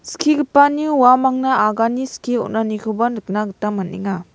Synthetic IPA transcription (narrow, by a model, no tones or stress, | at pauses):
skʰiɡipanjuwamaŋnaaɡaniskʰiɔ̰nanikʰubanɯk̚naɡɯtamanḭŋa